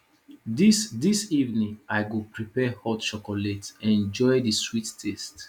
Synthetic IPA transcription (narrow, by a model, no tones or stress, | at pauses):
disdisivnĩŋaɪjɡupɹipɛhɔtt͡ʃɔkɔletɛ̃nd͡ʒɔjdiswittʰɛst